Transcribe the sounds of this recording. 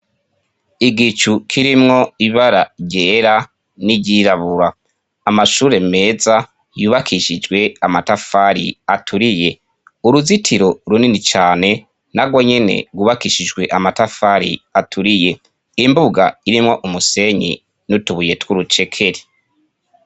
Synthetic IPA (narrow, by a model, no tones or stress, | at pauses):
iɡit͡ʃukʰiɾimŋo̞iβaɾaɟeːɾa | niɟiɾaβuɾaː | maʃuːɾe̞me̞ːza | juːβakʰiʃid͡ʒɡwe̞amatafaɾḭatʰuɾije̞ | uɾuzitʰiɾo̞ɾuninit͡ʃaːne̞ | naɡwo̞ɲe̞ne̞̰ɡuβakiʃid͡ʒɡwe̞ʔamatafaɾḭatʰuɾije̞ | imbuɡa̰iɾimŋo̞ʔumuse̞ɲḭ | nutuβuje̞twuɾut͡ʃe̞kʰe̞ɾi̥